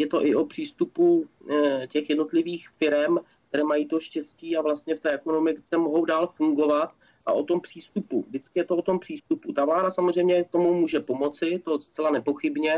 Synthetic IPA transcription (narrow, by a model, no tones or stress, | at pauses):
jɛt̪o̞ʔɪopr̝̥iːst̪upu | cɛxjɛdno̞t̪lɪviːxfɪɾɛmk̚t̪ɛɾɛːmajiːt̪o̞ʃcɛsciːavlast̪ɲɛft̪ɛːɛko̞no̞mɪksɛːmoɦo̞wdaːlfuŋɡo̞vat̪ | ʔa̰ʔo̞t̪o̞mpr̥iːst̪upṵvdɪt͡skɪjɛt̪oʔot̪o̞mpr̥iːst̪uput̪avlaːdasamozr̝ɛjmɲɛk̚t̪o̞mumuːʒɛpo̞mo̞t͡sɪt̪o̞st͡sɛlanɛpo̞xɪbɲɛ